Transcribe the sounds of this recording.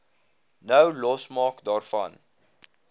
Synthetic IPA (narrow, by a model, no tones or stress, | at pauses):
nəwlɔsmɑːkdɑːrfɐ̰n